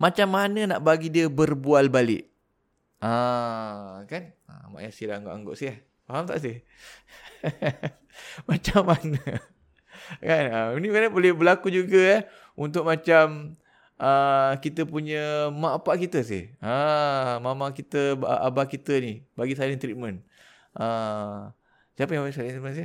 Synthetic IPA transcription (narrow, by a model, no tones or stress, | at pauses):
mat͡ʃamːanənaʔbaɡidiəbərbualbalɪ̰ʔ | a | kanə̰ma̰ʔjasiɾaŋɡoʔa̰ŋɡo̰ʔsɪh | faɦamt̪a̰ʔs̬ɪh | mat͡ʃamːanə | kanənikadabolɛhbəlakud͡ʒuɡəjah | unt̪ʊk̚mat͡ʃam | ʔəkit̪əpuɲəmaʔapaʔkit̪əs̬ɪ̰həmamakit̪əbʔa̰bakit̪ənibaɡisaliŋt̪ɾimən | ʔə | siapəjaŋbas̬alint̪ɾimənsɪ